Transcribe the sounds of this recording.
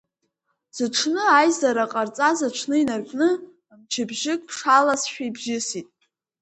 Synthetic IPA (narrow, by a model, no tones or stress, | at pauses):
z̥ɨʈ͡ʂʰnɨajzaɾaqʼart͡sʼazaʈ͡ʂʷʰnɨinarkʷʼnɨ | mt͡ʃʰɪbʒɪkʼpʰʂalasʃᶣajbʒɪsitʼ